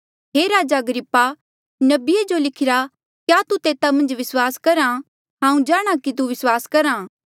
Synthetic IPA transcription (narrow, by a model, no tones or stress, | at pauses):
ɦeːɾaːd͡ʒaɐɡɾɪpːa | nɐbɪed͡ʒolɪkʰɪɾa | kjat̪ut̪eːt̪amɐ̃nd͡ʒʋɪswaːskɐɾã | ɦãːũd͡ʒaːɽ̃akit̪̬uʋɪswaːskɐɾãː